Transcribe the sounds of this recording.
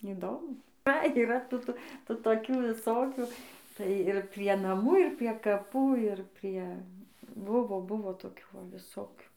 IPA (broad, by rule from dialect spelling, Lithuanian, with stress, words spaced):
iːˈdoːmʊ tɐɪ iːˈrɐ tuː tuː ˈtuː toːˈkʲuː ʋʲɪˈsoːkʲuː tɐɪ ɪr pʲrʲiɛ nɐˈmuː ɪr pʲrʲiɛ kɐˈpuː ɪr ˈpʲrʲiɛ ˈbʊʋoː ˈbʊʋoː toːˈkʲuː ˈʋɐ ʋʲɪˈsoːkʲuː